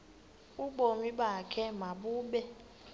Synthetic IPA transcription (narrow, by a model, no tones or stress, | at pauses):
uɡ͡bomibakʰɛmabube